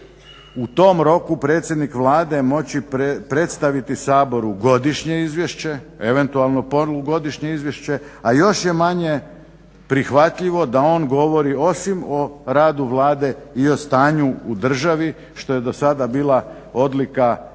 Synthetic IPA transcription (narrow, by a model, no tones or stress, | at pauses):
ut̪o̞ːmɾo̞kupɾe̞ːt̪sjed̪nikʋlˠaːd̪e̞mo̞t͡ɕipɾe̞t̪st̪aʋit̪isaːbo̞ɾuɡo̞d̪iʃɲe̞izʋjeʃt͡ɕe̞ | eʋe̞nt̪ualˠno̞poluɡo̞d̪iʃɲe̞izʋjeʃt͡ɕe̞ajo̞ʃje̞maɲe̞ | pɾixʋat̪ʎiʋo̞d̪ao̞ːnɡo̞ʋo̞ɾio̞simo̞ɾaːd̪uʋlˠaːd̪e̞io̞st̪aːɲuud̪r̩ʒaʋi | ʃt̪o̞je̞d̪o̞sad̪abiːlˠa | o̞d̪lika